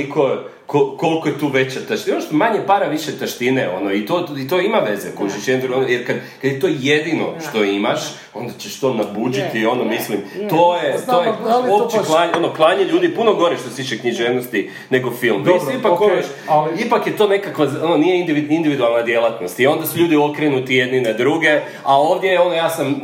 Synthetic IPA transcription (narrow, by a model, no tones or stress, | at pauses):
iko | koko̞lˠkojet̪uːʋe̞t͡ɕat̪aʃt̪ooʃt̪omaɲepaɾaʋiʃet̪aʃt̪ineo̞̰noit̪oːit̪o̞imaʋe̞zekoʃiʃjend̪ɾonojeɾkad̪kad̪jet̪o̞je̞d̪ino̞̰ʃt̪o̞imaʃ | o̞nd̪at͡ɕeʃt̪o̞ːnabud͡ʑit̪io̞nomislimt̪o̞ːjet̪ojeot͡ʃeklaɲonoklˠaːɲeʎuːd̪ipuno̞ɡo̞ɾeʃt̪ost̪it͡ʃekɲiʒeʋnost̪i | ne̞ɡofilˠmd̪sipakonoʃ | ipakjet̪o̞ːne̞kakʋazononijeind̪iʋiind̪iʋid̪ualˠnad̪jelat̪nost̪io̞nd̪asuʎuːd̪io̞kɾenut̪ije̞d̪nined̪ɾuɡe̞ | ao̞ːʋd̪jeo̞nojaːsam